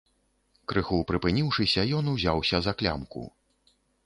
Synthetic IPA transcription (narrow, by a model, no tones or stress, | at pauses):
kɾɨxupɾɨpɨnʲiwʂɨsʲɐjɔnuwzʲawsʲɐzɐklʲa̰mkṵ